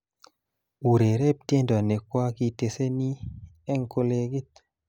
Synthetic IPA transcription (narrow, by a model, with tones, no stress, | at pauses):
u˨ɾe˨ɾe˦p̚tje˦nda˨ne˨kwa˦ki˨te˨se˦ni˦ | ɛ˦ŋko˧le˦ɡi˦t̪